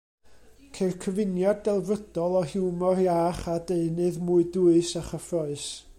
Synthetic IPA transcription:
kʰerkʰəvɪnjadːɛlˠvəd̥ɔlˠɔhɪwmɔrjaːχadeɨnɨðmuɨduɨsaχəfrɔɨs

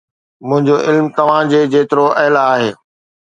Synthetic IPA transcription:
mʊ̃ɦɪ̃ɲd͡ʑoʔɪlmt̪ɐʋ̤ãd͡ʑeːd͡ʑeːt̪ɪɾoʔɛɦlaːɦeː

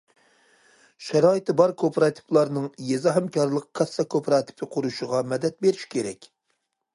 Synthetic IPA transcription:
ʃɛɾɑːit̪ʰɨbɑɾkʰopʰɾɑt̪ʰɨ̥plˠɑɾnɨŋjezɑɦɛmkʲʰɑɾlˠəq̚kʰɑsːɑkʰopʰɾɑt̪ʰɪ̥pʰɪqʰʊɾuʃəʁɑmɛd̪ɛt̪̚beɾiʃkʲʰeɾɛ̰kʲ

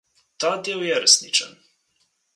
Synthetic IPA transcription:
t̪ad̪ewjɛɾesnit͡ʃa̰n

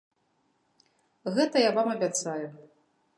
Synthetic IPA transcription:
ɣɛt̪ɐjavamɐbʲat̪saju

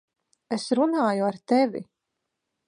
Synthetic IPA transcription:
esɾunaːjuaɾt̪ɛvʲḭ

